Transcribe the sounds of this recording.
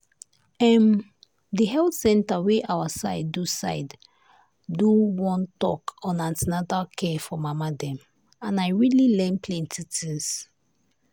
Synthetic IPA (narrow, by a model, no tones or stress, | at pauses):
ɛm | diɦɛltsɛ̃ntaweʔawasa̰ɪdusa̰ɪdː | uwɔ̃ntɔkɔ̃nãntinatakʰɛfɔmamadɛ̃m | ãnaɪɹililɛ̃npʰlɛ̃ntitʰĩns